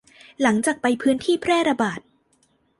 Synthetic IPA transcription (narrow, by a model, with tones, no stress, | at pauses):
la˩˦ŋt͡ɕaː˨˩k̚pa˧jpʰɯː˦˥nt̪ʰiː˥˩pʰɾɛː˥˩ɾa˧baː˨˩t̪̚